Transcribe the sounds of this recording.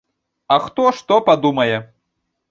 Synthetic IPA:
ɐxt̪ɔʂt̪ɔpad̪umɐjɛ

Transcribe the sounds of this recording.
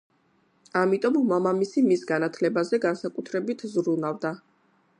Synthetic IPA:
amit̪ʼɔmmamamisimisɡanat̪ʰlɛbazɛɡansakʼut̪ʰɾɛbit̪ʰzɾunavd̪a

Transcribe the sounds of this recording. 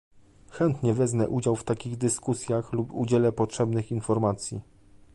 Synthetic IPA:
xɛnt̪ɲɛvɛznɛʔud͡ʑawft̪akʲiɣd̪ɘskusʲjaxlupṵd͡ʑɛlɛpɔtʂɛbnɘxinfɔɾmat̪sʲjḭ

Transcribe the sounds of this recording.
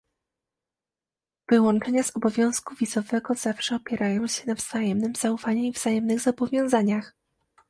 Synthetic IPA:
v̥ɘwɔ̃nt͡ʂɛɲaz̥ɔbɔvʲjɔ̃w̃skuvʲizɔvɛɡɔz̥afʂɛɔpʲjɛɾajɔ̃w̃ɕɛnavz̥ajɛmnɘmz̥aufaɲuivzajɛmnɘɣzabɔvʲjɔ̃w̃zaɲax

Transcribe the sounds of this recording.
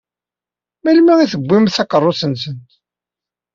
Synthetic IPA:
mælmæiθəbʷːimθɑkərˤːosənsənt̪

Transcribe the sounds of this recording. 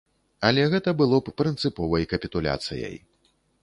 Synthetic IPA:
ɐlʲɛɣɛt̪ɐbɨlˠɔppɾɨnt̪sɨpɔvɐjkɐpʲit̪ulʲa̰t̪sɨ̰jɐ̰j

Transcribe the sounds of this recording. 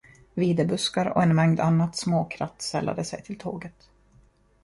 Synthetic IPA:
viːd̪əbɵskaɾɔ̰ɛnmɛŋd̪anːat̪smoːkʰɾat̪ːsɛlːa̰d̪əsɛjt̪ʰɪlt̪ʰo̰ːɡət̪

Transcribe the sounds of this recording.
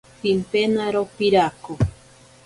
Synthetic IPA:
pimpenaɾopiɾako

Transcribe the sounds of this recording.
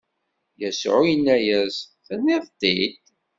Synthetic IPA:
jəsʕʊjənːæjæzθæniðˤt̪ːid̪

